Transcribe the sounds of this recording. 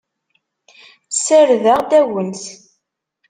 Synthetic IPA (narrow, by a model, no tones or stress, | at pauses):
səɾðəʁd̪æwənθ